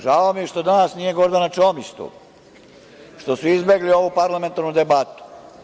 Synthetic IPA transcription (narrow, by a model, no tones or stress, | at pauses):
ʒaomieʃt̪od̪anasnije̞ɡo̞ɾd̪anat͡ʃomist̪ṵ | ʃt̪o̞suizbe̞ɡlio̞ʋupaɾlˠame̞nt̪aɾnud̪ebat̪u̥